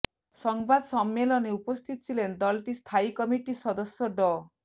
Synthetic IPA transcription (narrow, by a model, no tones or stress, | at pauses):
sɔŋbad̪ɔsɔmːelɔneupɔst̪ʰit̪ɔ̥t͡ʃʰilend̪ɔlʈist̪ʰaikɔmiʈisɔd̪ɔsjɔɖɔ